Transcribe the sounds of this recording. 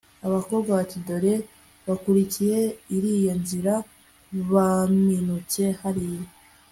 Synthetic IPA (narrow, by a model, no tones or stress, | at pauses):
aβako̞bɡaβatido̞ɾe̞ | βakuɾicije̞iɾiːjo̞nziɾa | βaminuce̞haɾijo